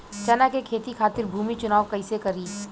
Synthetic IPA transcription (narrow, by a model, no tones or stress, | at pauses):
t͡ʃɐnakekʰeːt̪ikʰaːt̪ɪɾbʱuːmit͡ʃʊnaːʋkɐɪsekɐɾiː